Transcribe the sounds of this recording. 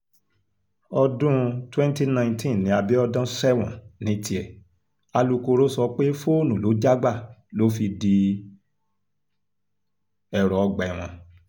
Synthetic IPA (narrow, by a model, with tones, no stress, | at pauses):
ɔ˧dũ˦twɛ̃˦n˦ti˦nã˧ĩ˧tʰĩ˦˨nĩ˨˦a˧bi˦ɔ˧dã˦sɛ˦˨wɔ̰̃˨nĩ˨˦tʰi˧˦ɛ˨ | a˧lu˧ko˧ɾo˦sɔ˧k͡pe˦fo˦nũ˨lo˨˦d͡ʒa˦ɡ͡ba˦˨lo˨˦fi˧di˧ | ɛ˧˨ɾɔ˨ɔ˧ɡ͡ba˨ɛ˨w̃ɔ̃˧